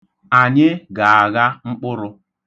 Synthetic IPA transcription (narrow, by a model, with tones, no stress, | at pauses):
a˨ɲɪ˦ɡa˨a˨ɣa˦ŋ͡m̩˦k͡pʊ˦ɾʊ˦